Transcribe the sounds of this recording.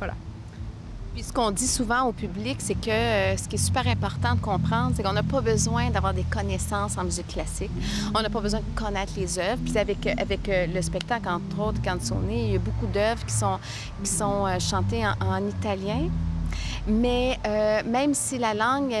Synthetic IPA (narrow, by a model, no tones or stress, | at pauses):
vala̰ | pɥisə̥kɔ̃d̪isuvɑ̃opybliksɛkəsə̥kʲiɛsy̥pɛːʁɛ̃pɔʁt̪ɑ̃d̪əkɔ̃pχɑ̃d̪ʁsekɔ̃napɔbəzwɛ̃d̪avwaːʁd̪ekɔnɛsɑ̃ːsɑ̃myzɪkkːlasɪkɔ̃napɔbəzwɛ̃d̪əkɔnɛːt̪χlezœvʁpi̥savɛkʔavɛkləspɛk̚t̪aklɑ̃t̪χoːt̪χekɑ̃sɔ̰̃neiljabokud̪œvʁkʲi̥sɔ̃ | kʲi̥sɔ̃øʃɑ̃t̪eɑ̃ʔɑ̃nit̪aljɛ̃ | mɛømɛ̃msilalɑ̃ŋ